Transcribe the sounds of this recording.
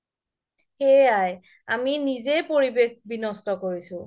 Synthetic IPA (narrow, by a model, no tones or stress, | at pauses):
xeaj | aminizepoɹibex̚binɔstɔkoɹisʊ̃